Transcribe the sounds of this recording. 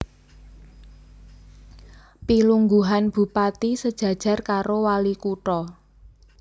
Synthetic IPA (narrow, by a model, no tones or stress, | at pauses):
piluŋɡuɦanb̥ṳpat̪isəd̥ʒ̥ä̤d̥ʒ̥ä̤rkaɾowalikuʈɔ